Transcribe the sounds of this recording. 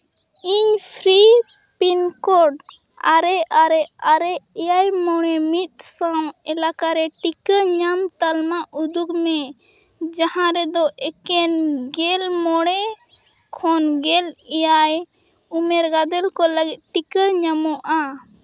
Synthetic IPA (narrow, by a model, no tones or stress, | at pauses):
iɲpʰɾi | pinkɔɖ | aɾɛaɾɛaɾɛʔɛjajmɔɽ̃ɛmit̪̚sãwɛlakaɾɛʈikəɲamt̪almaʔud̪ukmɛ | d͡ʒahãɾɛd̪ɔʔɛkɛnɡɛlmɔɽ̃ɛ | kʰɔnɡɛlɛjaj | umɛɾɡad̪ɛlkɔləɡɛt̪̚ʈikəɲamɔʔa